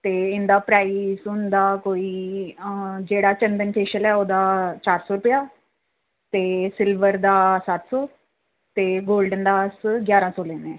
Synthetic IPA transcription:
t̪eːɪnd̪aːpɾaːisʊnd̪aːkoːiː | d͡ʒeːɽaːt͡ʃənd̪ənpʰeːʃəlɛːoːd̪aːt͡ʃaːɾsɔːɾʊpjaː | t̪eːsɪlʋəɾd̪aːsat̪sɔː | t̪eːɡoːlɖənd̪aːsɡjaːɾãːsoːlẽːnɛ̃ː

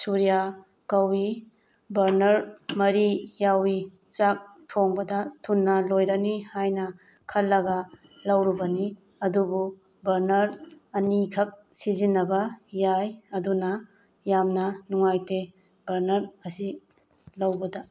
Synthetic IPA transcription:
suɾija | kɐwi | bɐɾnɐɾmɐɾijawi | t͡ʃak̚tʰoŋbɐdɐtʰunːɐlojɾɐnihajnɐ | kʰɐlːɐɡɐ | lɐwɾubɐni | ɐdubu | bɐɾnɐɾ | ɐnikʰɐk̚sizinːɐbɐjajɐdunɐ | jamnɐnuŋajte | bɐɾnɐɾɐsi | lɐwbɐdɐ

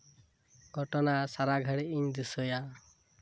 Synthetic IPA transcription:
ɡ̥ʱɔʈɔnasaɾaɡʱaɽiiɲd̪isɔja

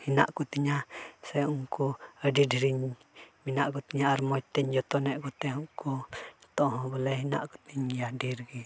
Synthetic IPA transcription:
hina̰ʔkut̪iɲasɛuŋkuadidiɾiɲ | minaʔkut̪iɲaːɾmɔt̪ɛɲd͡ʒɔt̪ɔnɛʔkut̪ɛɦukut̪ɔɦɔ̃bɔlɛhina̰ʔkut̪iɲjadiɾɡi

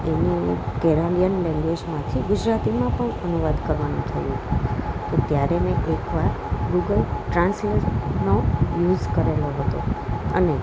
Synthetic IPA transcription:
enikeɾalijənlɛ̃ŋɡʋed͡ʒmãt̪ʰiɡʊd͡ʒɾat̪imãpəɳənuʋad̪kəɾʋanṵ̃t̪ʰəjũt̪ot̪jaɾeneʔekʋaɾ | ɡuɡəlʈɾãnslenojud͡ʒkəɾeloɦət̪o̰ə̰ne

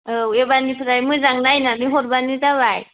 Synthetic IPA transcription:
ebanipʰɯɾajmɯzaŋnajnamiɦɔɾbanidaβaj

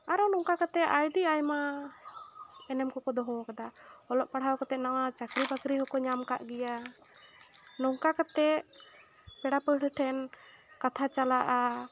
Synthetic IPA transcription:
aɾɔnɔŋkakat̪ɛajɖiajma | ɛnɛmkɔkɔd̪ɔɦɔkad̪aɔlɔʔpaɽ̤awkɔt̪ɛʔnawat͡ʃakɾibakɾiɦɔkɔɲamka̰ʔɡɛja | nɔŋkakat̪ɛ | pɛɽapəɽəʈʰɛn | kat̪ʰat͡ʃalaʔa

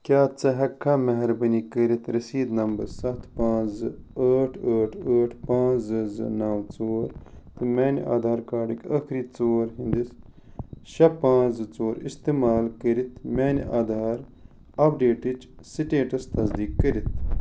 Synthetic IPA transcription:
kʲjaːt͡sɐɦɐkʰːaːmɐɦɐɾbɐnikəɾit̪ʰɾɐsiːd̪nɐmbɐɾsɐt̪ʰpãːzɨəːʈʰəːʈʰəːʈʰpãːzɨzɨ̰naːwt͡soːɾt̪ɨmɛːniʔa̰ːd̪ʱaːɾkaːɖikɐkʰɾiːt͡soːɾɦĩnd̪is | ʃɐpãːzɨt͡soːɾist̪iːmaːlkəɾit̪ʰmeːniʔaːd̪ʱaːɾ | ɐp̚ɖeːʈit͡ʃsiʈeːʈɐst̪ɐzd̪iːkːəɾit̪ʰ

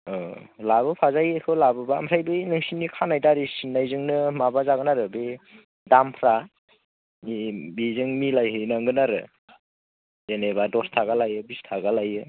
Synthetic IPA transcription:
ɔ | laβɯpʰazajakʰɯwlabɯbamsʰajbɯjnɯŋsinikʰanajdaɾisinːajzɯŋnɯmabazaɡɯnaɾɯbe | dampʰɾa | mibizɯŋmilajɦɯnaŋɡɯnaɾɯ̰ | zenebadɔstʰaɡalajɯbistʰaɡalajɯ

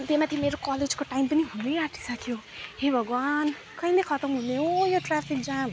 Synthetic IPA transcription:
t̪emat̪ʰimeɾokʌled͡zkoʈaimpʌniɦunejaʈʰi̥sʌkʰjo | hebʱʌɡwan | kʌjnʌkʰʌt̪ʌmɦuneɦojoʈrapʰik̚d͡zam

